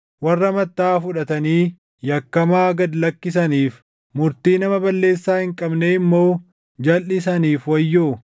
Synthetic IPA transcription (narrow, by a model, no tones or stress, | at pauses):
wɐrːɐmɐt̪ːaːfʊᶑɐt̪ɐniː | jɐkːɐmaːɡɐd̪lɐkːɪs̬ɐniːf | mʊɾt̪iːnɐmɐbɐlːe̞ːsːaːhɪŋkʼɐbneɪmːo̞ː | d͡ʒɐlʔɪs̬ɐniːfwɐjːoː